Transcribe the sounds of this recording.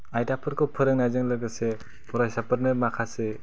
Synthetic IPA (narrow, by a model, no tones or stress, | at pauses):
ajtapʰɯɾkʰɯpʰɯɾɯŋnajzɯŋlɯɡɯse | pʰɔɾajsapʰɯɾnɯmakʰase